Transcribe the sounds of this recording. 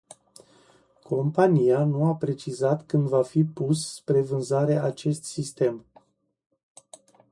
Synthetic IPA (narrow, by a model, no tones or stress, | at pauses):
kʰo̞mpanijanuapɾe̞t͡ʃizat̪kɨnd̪vafipusːpɾe̞vɨnzaɾeʔat͡ʃe̞st̪sist̪e̞m